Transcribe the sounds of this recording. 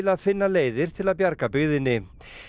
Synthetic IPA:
laðfɪnːaleːjðɪɾ̥t̪ʰɪlaðpjaɾkapʏɣðɪnːɪ

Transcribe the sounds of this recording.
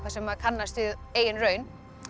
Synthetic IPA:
kvasɛmakʰanːast̪ɪðeːjɪnrœːɥn

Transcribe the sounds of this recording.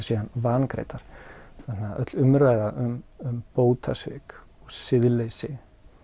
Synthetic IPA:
sianvaːnkɾḛjt̪aɾ̥θanːaʔœ̰t̪lʏmɾvaːjðaʔʏmʏmpoːwt̪ʰasvɪ̰k | ɔɣsɪðlejsɪ

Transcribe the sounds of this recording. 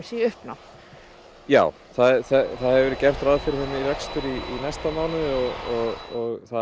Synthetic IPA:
siʏhpna | jaːw | θaðθɛθaðhɛvɪvɛɾðcɛr̥t̪ɾaðfɪɾhʏmːiɾɛkst̪ʏɾiinɛst̪amaːwnɪðɔɣɔɣɔɣθa

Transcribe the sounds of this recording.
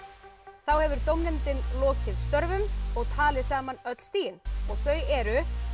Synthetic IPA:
θawhɛvʏɾt̪owmnɛnt̪ɪnlɔːcʰɪðst̪œɾvʏmɔɣt̪ʰaːlɪsaːmanœt̪l̥st̪iːjɪnɔɣθœɥɛɾʏ

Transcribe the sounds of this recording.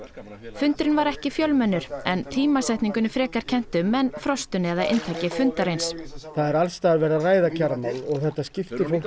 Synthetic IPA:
fʏnt̪ɾɪnvaɾɛhcɪfjœlmɛnːʏɾ̥ɛnt̪ʰiːmasajht̪niŋkʏnɪfɾɛːkaɾ̥cʰɛn̥t̪ʏmːɛnfɾɔst̪ʏnɪɛðaʔɪ̰nt̪ʰajcɪfʏnt̪aɾejnsθaðɛɾalst̪aːɣɾvɛːɾaðraːjðacʰaɾmalɔɣθɛht̪ascɪft̪ɪfo

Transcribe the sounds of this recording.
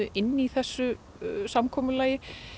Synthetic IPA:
ʏɪnːiθɛsːʏ | samkʰɔːmʏlaːjɪ

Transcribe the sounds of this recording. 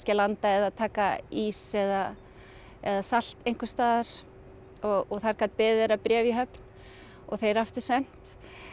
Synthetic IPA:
scɪlant̪aɛðaðt̪ʰaːkaisɛða | ɛðasal̥t̪ejŋkʏ̥st̪aːðaɾ̥ | ɔɣɔɣθaɾkʰat̪̚pɪːðɪɾapɾjɛːvjɪɦœpn | ɔɣθejɾaft̪ʏɾ̥sɛn̥t̪

